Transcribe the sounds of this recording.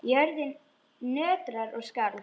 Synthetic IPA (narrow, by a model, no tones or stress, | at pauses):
jɛɾðɪn | nœːt̪ɾaɾɔɣskaːɾ